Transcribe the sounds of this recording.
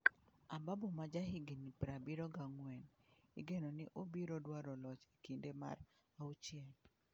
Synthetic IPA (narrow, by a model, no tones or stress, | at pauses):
ababomad͡ʒaɦɪɡinipɾabiɾɔɡaŋwɛnḭɡenɔnɪʔobiɾɔdwaɾɔlɔt͡ʃi̥kindema̰ɾ | aut͡ʃjɛl